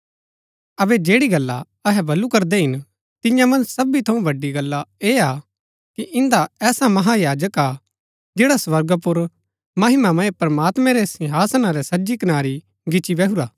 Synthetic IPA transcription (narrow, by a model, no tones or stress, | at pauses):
ɐbɛd͡ʒeːɽiɡɐlːa̰ | ɐɦɛbʱɐlːukɐɾd̪ɛɦɪn | t̪ɪjãmɐ̃nsɐbit̪ʰɐũbɐɖːiɡɐlːaea | kiʔɪ̃nd̪aɛːsamɐɦajaːd͡ʒəka | d͡ʒeːɽaswɐɾɡəpʊɾ | mɐɦɪmamɐ̃ẽpɾɐmaːt̪mɛ̃ɾɛsɪ̃ɦaːsnaɾɛsɐd͡ʒikɐnaːɾi | ɡɪt͡ʃibɛɦuɾaː